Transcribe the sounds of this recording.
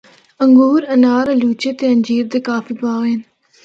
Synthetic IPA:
əŋɡuːɾɐnaːɾɐluːt͡ʃeːt̪eːənd͡ʒiːɾd̪eːkaːfiːbaːɣeːn

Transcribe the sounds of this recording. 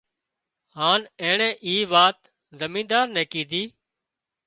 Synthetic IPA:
haːnɛ̃ːɳɛ̃ːʔiːʋaːt̪ | zəmĩːd̪aːɾnɛ̃ːkĩːd̪ʱiː

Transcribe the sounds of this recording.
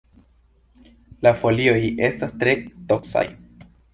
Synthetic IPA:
lafo̞lio̞je̞stastɾe̞to̞ksa̰j

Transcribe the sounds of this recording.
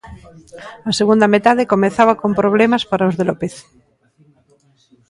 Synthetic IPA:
aseɣ̞und̪amet̪aðekomẽnθaβakompɾoβ̞lemaspaɾaozðelopeθ

